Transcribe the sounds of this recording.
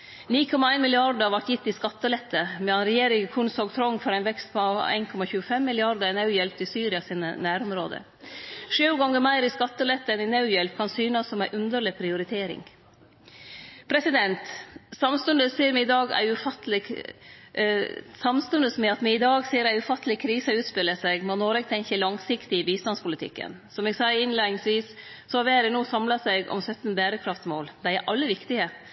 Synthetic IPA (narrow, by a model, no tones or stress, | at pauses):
niːkʰɔmɑæɪnmɪlɪɑɾɖəɑʋɑʈjɪt̪ːɪskɑt̪ːəlɛt̪ːəmɛɑnɾɛjeːɾɪŋkʰunsɔɡt̪ʰɾɔŋːfɔɾæɪnʋɛkst̪pʰɔɑæ̰ɪnkʰɔmɑçʉːəfɛmːɪlɪɑɾd̪əɾɛnɑʉjɛlp̚t̪ɪsyːɾɪɑsiːnə̰næːɾʊmɾoːd̪ə̰ | ʂʉːɡɔŋːəmæɪɾɪskɑt̪ːəlɛt̪ːəɛnɪnɑʉjɛlp̚kʰɑnsyːnəsːɔmæɪʔʉnd̪əɭɪpʰɾɪʊɾɪt̪ʰeːɾɪ̰ŋ | pʰɾɛsɪd̪ɛnt̪sɑmst̪ʉnd̪əsiːəɾmɪɪd̪ɑːɡæ̰ɪʉfɑt̪ːəlɪ | sɑmst̪ʉnd̪əsmɛɑt̪mɪɪd̪ɑːɡsiːəɾæɪʉfɑt̪ːəlɪkʰɾiːsəʉːt̪spɪlːəsæɡmonoːɾɛɡ̚t̪ʰɛŋçəlɑŋsɪkt̪ɪɪbiːst̪ɑnspʰʊlɪt̪ʰɪ̰kːə̰nsɔmɛɡsɑɪəɾɪnlænɪŋsʋiːs | sɔhɑʋæːɾɪnuːsɑmlɑsæɪɡɔ̰msœt̪ːnbæːɾəkʰɾɑft̪moːld̪æɪæɾʔɑlːəʋɪkt̪ɪə